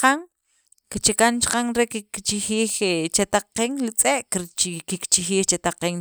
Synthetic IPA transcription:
qaŋ | kit͡ʃekant͡ʃqaŋɾekikt͡ʃixiːxt͡ʃat̪aqːeŋlit͡sʼeʔkkikt͡ʃixiːxt͡ʃat̪aqeŋ

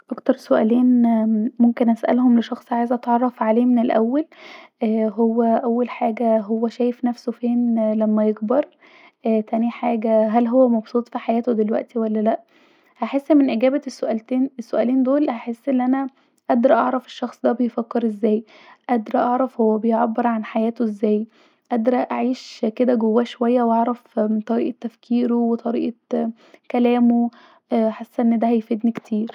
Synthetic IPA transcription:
ʔɑkt̪ɑɾˤsoʔæːleːnmomkenʔæsʔæ̰lhomleʃɑxsˤʕaːjezʔæt̪ʕɑrˤːɑfʕaleːmenelʔæ̰wːælː | ɦowːæʔæwːælħaːɡæɦowːæʃæːjefnæfsofeːnlæmːæjeɡbɑɾˤ | ʔæt̪æniħaːɡæɦælɦowːæmɑbsˤuːt̪ˤfiħajæːt̪od̪elwæ̰ʔt̪iwælːælæʔ | hæħesːʔmenʔeɡæːbæsːoʔælt̪eːnesːoʔæːleːnd̪oːlhaħesːʔenːʔænæ | ʔæd̪ɑɾʔɑ̰ʕɾˤɑfeʃːɑxsˤd̪æbejfækːeɾʔezːæːj | ʔæd̪ɾɑʔɑʕɾˤɑfhowːæbejʕabːeɾʕanħajæːt̪oʔezːæːj | ʔæd̪ɾˤɑʔaʕiːʃked̪æɡowːæːʃowæjːæwʔɑʕɾˤɑfmnt̪ˤɑɾiːʔɑt̪ːæfkʰiːɾowet̪ˤɑɾḭːʔɑ | kælæːmo | ħasːæʔenːd̪æhæjfed̪niket̪ʰiːɾ

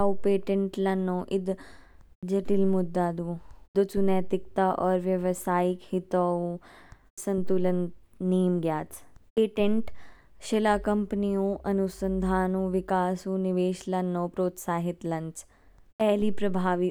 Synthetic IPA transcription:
aupeːʈẽɳʈlɐnːõːʔɪd̪ | d͡ʒɐʈɪlmʊd̪ːaːd̪uːd̪ɐt͡ʃunɛːt̪ɪkt̪aʔɔːɾʋjɐʋsaːɪkhɪt̪oːu | sɐ̃nt̪ulənː | eːmɡjaːt̪peːʈẽɳʈ | ʃelaːkɐmpnijõːʔɐnusənd̪ʱaːnũːʋɪkaːsũːnɪʋeːʃlɐnːõːpɾoːt̪saːɦɪt̪lɐ̃ɲt͡ʃ | ɛːliːpɾɐbʱaːʋi

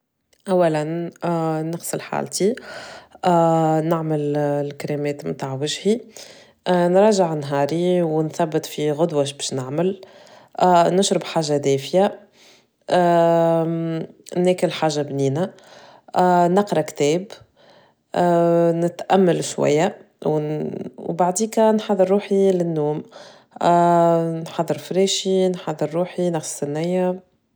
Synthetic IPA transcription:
ʔæwːælæn | nəqsəlħa̰ːlt̪i | nɪʕməllkaɾemɛːt̪mt̪aːʕwɪʒhi | nɾˤɑːʒəʕnɦɑːɾiwnθæbːət̪ˤfiɣʊd̪waʃbɛːʃnɪʕməl | nʊʃɾəbħaːʒːad̪ɛːfja | nɛːkɪlħaːʒːabniːna | nɑqɾˤɑkt̪ɛːb | nɪt̪ʔæmːælʃwæ̰jːa | wwbaʕd̪iːkænħɑðˤːəɾːuːħilɪnːuːm | nħɑðˤːəɾfɾeːʃinħɑðˤːəɾːuːħinɑxssɪnːɪjːa

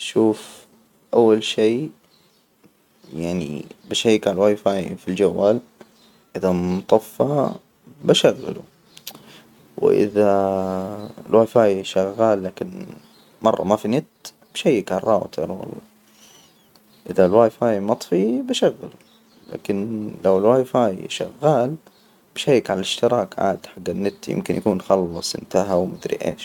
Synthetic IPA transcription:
ʃuːf | ʔawːalʃeː | jaʕnḭbɪʃajːkanlwaːjfaːjfild͡ʒawːaːl | ʔɪðamʊt̪ˤɑfːɑ | baʃaɣːa̰lṵ | w̰ʔɪ̰ða | lwaːjfaːjʃaɣːaːlːaːkɪn | mɑrˤːɑ̰mafinɪt̪ | b̥ʃajːɪkʕarˤːɑːwt̪ʰɑ̰ɾˤwɑ̰lˤːɑː | ʔɪðalwaːjfaːjmɑt̪ˤfibaʃaɣːalu | la̰ːkɪnlawɪlwaːjfaːjʃa̰ɣːaːl | b̥ʃajːɪkʕalalɪʃt̪ɪɾɑːkʕa̰ːd̪ħaɡːanːɪt̪ːjɪ̰mkɪnjakuːnxɑlːɑsˤʔɪ̰nt̪aɦawmʊd̪ɾḭʔḛːʃ

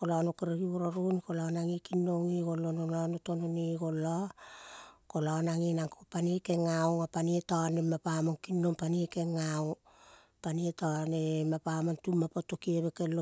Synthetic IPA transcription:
kolanokeɾeɡioɾaɾunikolanaŋikinːoŋiɡolononanotononiɡolo | kolanaŋinaŋkopaniekeŋawŋapanietanemapamonkinːoŋpaniekeŋaw | panietanemapamontumːapotokieβekelo

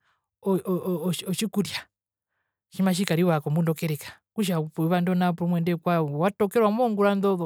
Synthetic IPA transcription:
ɔ | ɔʃikuɾja | ʃimaʃ̬ikaɾiwakɔmundɔkɛɾɛkḁkuʃapuiβandɔnapuɾɔmwɛndɛkwawatɔkɛɾwamɔŋɡuɾandɔðɔ

